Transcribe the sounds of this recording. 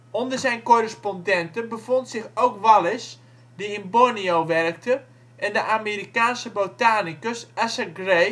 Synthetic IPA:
ondərzɛjnkorəspɔndɛntənbəfontsɪxowkʋalɪs | diɪnboɹnioʋɛrək̚tə | ʔɛndəʔamiɾikaːnsəbotaːnikəsasəɡre

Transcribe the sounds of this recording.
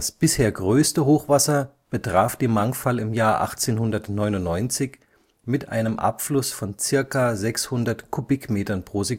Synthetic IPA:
dasb̥ɪsheːɐɡʁøːstəɦoːxv̥asɐ | b̥ətʁ̥aːfd̥iːmaŋfalɪmjaːɐʔa̰χt͡seːnhʊndɐtnɔʏnʊnnɔʏnt͡sɪç | mɪtʔa̰ɪnəmʔa̰pflʊsfɔnt͡sɪɐkazɛkshʊndɐtkʰubɪkmeːtɐnpʁ̥oːze

